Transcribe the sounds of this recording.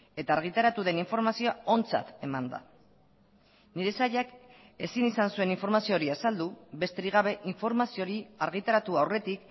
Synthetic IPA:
e̞t̪aːɾɣ̞it̪aɾat̪uðe̞niɱfo̞ɾmasio̞ao̞nt͡sa̰t̪e̞mand̪a̰ | niɾe̞saʎak | e̞sinisansue̞niɱfo̞ɾmasio̞ɾiasald̪uβe̞st̪e̞ɾiɣaβ̞e̞ʔiɱfo̞ɾmasio̞ɾiaɾɣit̪aɾat̪uawre̞t̪ik

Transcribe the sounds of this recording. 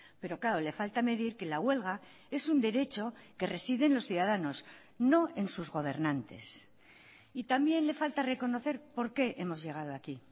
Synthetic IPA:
pe̞ɾo̞klaole̞falt̪ame̞ðiɾke̞laɣwe̞lɣa | e̞sund̪e̞ɾe̞t͡ʃo̞ke̞re̞siðe̞nlo̞sθjuðaðanos | no̞e̞nsuzɣo̞β̞e̞ɾnãnt̪e̞̰s | it̪ambje̞nle̞falt̪are̞ko̞no̞θe̞ɾpo̞ɾke̞ʔe̞mo̞zʝe̞ɣ̞að̞oaki

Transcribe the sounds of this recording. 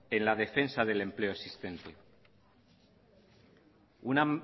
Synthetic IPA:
e̞nlað̞e̞fe̞nsaðe̞le̞mple̞oesist̪e̞nt̪e̞ | una

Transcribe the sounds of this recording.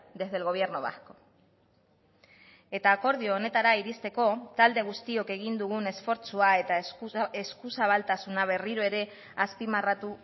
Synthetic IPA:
d̪e̞zðe̞lɣ̞o̞β̞je̞ɾnoβa̰sko̞̥ | e̞t̪aːko̞ɾð̞ioːne̞t̪aɾaiɾist̪e̞ko̞t̪ald̪e̞ɣ̞ust̪io̞ke̞ɣ̞ind̪uɣ̞une̞sfo̞ɾt͡suae̞t̪aeskusaβalt̪asunaβ̞e̞riɾo̞e̞ɾe̞ | aspimarat̪u

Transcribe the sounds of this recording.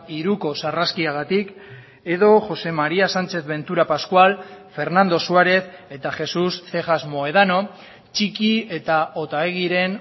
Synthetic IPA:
iɾuko̞saraskiaɣ̞at̪ik | e̞ðo̞ʝo̞se̞maɾiasant͡ʃe̞θβe̞nt̪uɾapaskwalfe̞ɾnand̪o̞suaɾe̞θe̞t̪axe̞susθe̞xazmo̞e̞ð̞ano̞ | t͡ʃikie̞t̪ao̞t̪aeɣ̞iɾe̞n

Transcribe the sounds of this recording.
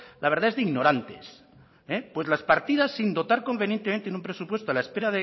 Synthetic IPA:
laβ̞eɾðaezðeiɣno̞ɾant̪ḛs | epwe̞zlaspaɾt̪iðasːind̪o̞t̪aɾko̞mbenjent̪emẽnt̪enũmpɾe̞supwe̞st̪oalaespe̞ɾaðe

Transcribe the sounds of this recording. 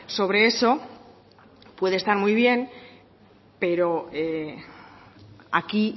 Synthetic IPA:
so̞β̞ɾe̞e̞so̞ | pwe̞ðest̪aɾmujβje̞n | pe̞ɾo̞e | aki

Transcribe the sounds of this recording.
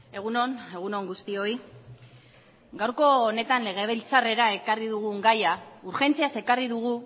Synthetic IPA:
e̞ɣuno̞ne̞ɣ̞uno̞ŋɡust̪io̞i | ɡawɾko̞ːne̞t̪anle̞ɣ̞e̞βelt͡sare̞ɾae̞kariðuɣ̞uŋɡajauɾxe̞nt͡siase̞kariðuɣ̞u

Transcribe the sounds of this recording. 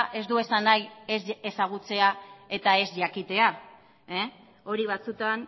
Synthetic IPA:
ʔe̞zd̪ue̞sanajese̞saɣ̞ut͡se̞ae̞t̪ae̞zʝakit̪e̞a | e | o̞ɾiβ̞at͡sut̪an

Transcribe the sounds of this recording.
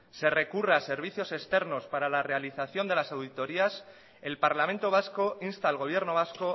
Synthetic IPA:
se̞re̞kurease̞ɾβ̞iθjo̞se̞st̪e̞ɾno̞spaɾalare̞aliθaθjo̞nd̪e̞lasawðit̪o̞ɾias | e̞lpaɾlamẽnt̪o̞β̞asko̞inst̪aelɣo̞β̞je̞ɾno̞β̞asko̞

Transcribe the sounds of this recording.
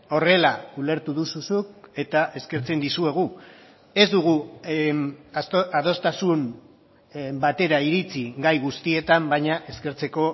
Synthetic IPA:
o̞re̞laule̞ɾt̪uðususuke̞t̪aʔe̞ske̞ɾt͡se̞nd̪isue̞ɣ̞u | e̞zd̪uɣ̞u | að̞o̞st̪asum | bat̪e̞ɾaiɾit͡siɡajɣust̪ie̞t̪ambajɲaʔe̞ske̞ɾt͡se̞ko̞

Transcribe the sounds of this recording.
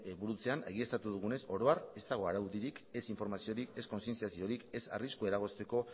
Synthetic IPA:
buɾut͡se̞ane̞̰ɣ̞iest̪at̪uðuɣ̞une̞so̞ɾo̞are̞st̪aɣ̞o̞aɾauðiɾike̞siɱfo̞ɾmasio̞ɾike̞sko̞nsie̞nt͡siasio̞ɾike̞sa̰riskue̞ɾaɣ̞o̞st̪e̞ko̞

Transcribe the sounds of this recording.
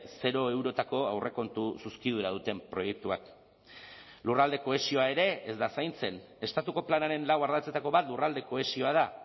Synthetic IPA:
se̞ɾo̞ewɾo̞t̪ako̞awre̞ko̞nt̪ususkiðuɾað̞ut̪e̞mpɾo̞je̞k̚t̪uak | lurald̪e̞ko̞e̞sio̞ae̞ɾe̞ezd̪asajnt͡se̞n | e̞st̪at̪uko̞planaɾe̞nlawaɾðat͡se̞t̪ako̞βat̪lurald̪e̞ko̞esio̞að̞a

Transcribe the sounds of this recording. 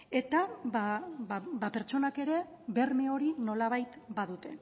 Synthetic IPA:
e̞t̪aβaabape̞ɾt͡ʃo̞nake̞ɾe̞ | βe̞rme̞o̞ɾino̞laβ̞ajt̪baðut̪e̞

